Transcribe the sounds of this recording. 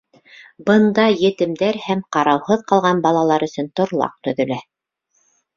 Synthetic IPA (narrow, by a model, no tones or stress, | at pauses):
bɤ̆nd̪ɑjɘ̆t̪ɘ̆md̪æɾhæmqɑɾɑwhɤðqɑlˠʁɑnbɑlˠɑlˠɑɾɵ̆sɵnt̪ŏɾlˠɑ̰q̚t̪ɵ̆ðɵ̆læ